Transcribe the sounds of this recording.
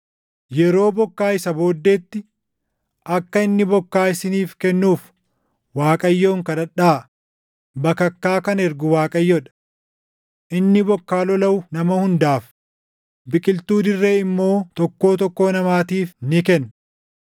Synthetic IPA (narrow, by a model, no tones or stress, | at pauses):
jɛɾo̞ːbɔkːaːɪsɐbo̞ːd̪ːeːt̪ːɪ | ʔɐkːɐɪnːɪbɔkːaːɪsɪniːfkɛnːuːf | waːkʼɐjːo̞ːŋkɐᶑɐᶑaː | bɐkɐkːaːkɐnɛɾɡʊwaːkʼɐjːɔᶑɐ̥ | ʔɪnːɪbɔkːaːlɔlɐwʊnɐmɐhʊnd̪aːf | bɪkʼɪlt̪uːd̪ɪrːeːɪmːo̞ːt̪ɔkːo̞ːt̪ɔkːo̞ːnɐmaːt̪iːfnɪkɛn